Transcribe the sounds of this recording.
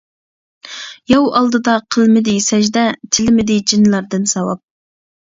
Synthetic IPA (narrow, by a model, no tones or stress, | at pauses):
jɑwɑlˠd̪ɨd̪ɑqʰəlˠmɪd̪ɪsɛʒd̪ɛt̪ʰɪlmɪd̪ɪd͡ʒinlˠɑɾd̪ɨnsɑwɑ̰p̚